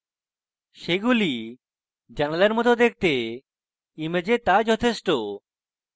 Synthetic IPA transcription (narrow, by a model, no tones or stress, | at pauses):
ʃeɡuli | d͡ʑanaleɾmɔt̪ʰod̪ek̚ʰt̪e | imed͡ʑet̪ad͡ʑɔt̪ʰeʃʈo